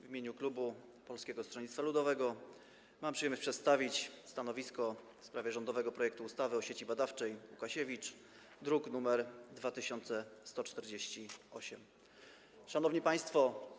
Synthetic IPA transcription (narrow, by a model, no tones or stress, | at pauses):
vʲimʲeɲuklubu | pɔlskʲɛɡɔst̪ʂɔɲit̪t̪falud̪ɔvɛɡɔ | mampʂɨjɛmʲpʂɛt̪st̪avʲit͡ɕst̪anɔvʲiskɔ | fspɾavʲjɛʐɔnd̪ɔvɛɡɔpɾɔjɛkt̪uust̪avɘɔɕet͡ɕibad̪aft͡ʂɛjukaɕɛvʲit͡ʂ | d̪ɾuknumɛɾd̪vat̪ɘɕɔnt̪sɛst̪ɔt͡ʂt̪ɛɾd͡ʑeɕt͡ɕiɔɕɛm | ʂanɔvɲipaj̃st̪fɔ